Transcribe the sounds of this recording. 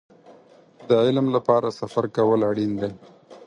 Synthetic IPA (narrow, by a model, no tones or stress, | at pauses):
d̪əʕɪlmlapɑɾasafaɾkawəlaɽind̪e